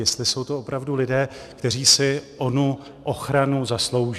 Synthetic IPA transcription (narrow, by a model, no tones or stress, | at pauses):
jɛst̪lɪso̞wt̪o̞ʔopɾavdulɪdɛː | kt̪ɛɾ̝iːsɪʔo̞nu | ʔoxɾanuzaslo̞wʒ